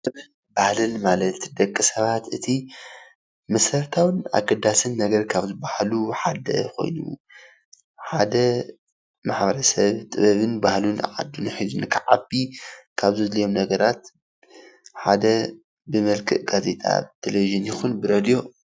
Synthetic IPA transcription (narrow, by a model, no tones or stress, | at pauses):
t̪ʼɨβɐ | bahlɨnmalɐt̪d̪ɐkʼːɨsɐβat̪ʔɨt̪ʰi | mɐsɾɐɾt̪ʰawɨna̰ɡɐd̪ːasɨnːɐɡɐɾkʰaβzɨbahluħad̪ɐ̰kʰo̞̰jnṵ | ħad̪ɐ | maħbɐɾɐsɐβt̪ʼɨβɐβɨnbahlunʕa̰d̪unħizunkʰaʕabikʰaβzɨzlɐjo̞mnɐɡɐɾat̪ | ħad̪ɐ | bɨmɐlkʰɨʔɡ̥aze̞t̪ʼʰa̰t̪ʰeleviʒɨnjɪxunbɨɾɐd̪ijo̞